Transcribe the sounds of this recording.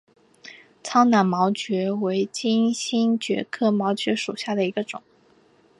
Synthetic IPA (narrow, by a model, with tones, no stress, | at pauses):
t͡sʰɑ˥ŋna˨˩nmɑ˧˥ʊt͡ɕɥɛ˧˥we˧˥ɪt͡ɕi˥nɕi˥nt͡ɕɥɛ̰˧˥kʰɤ˥˩mɑ˧˥ʊt͡ɕɥɛ˧˥ʂu˨˩ɕja˥˩d̪ə˩i˧˥ɡə˧ʈ͡ʂʊ̰˨˩˦ŋ